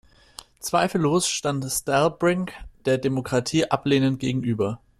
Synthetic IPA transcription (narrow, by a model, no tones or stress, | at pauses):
t͡sv̥aɪfl̩ːoːsʃtantstalbʁɪŋd̥eːɐdemokʁ̥atʰiːʔapleːnənt̚ɡ̥eːɡŋ̩ʔyːbɐ